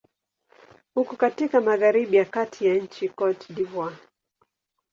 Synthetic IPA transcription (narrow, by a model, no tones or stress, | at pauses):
hukɔkatikamaɣaɾiɓijakatʰijaɲ̩t͡ʃikɔtdivwa